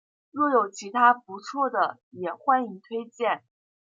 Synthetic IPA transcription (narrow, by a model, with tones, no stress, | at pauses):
ɻwɔ˥˩jo˨˩ʊt͡ɕʰi˧˥t̪ʰa˥p̚u˧˥t͡sʰwɔ˥˩d̪ə˩ | jɛ˨˩xwa˥˧ni˥˩ŋt̪ʰwe˥ɪt͡ɕjɛ˥˩n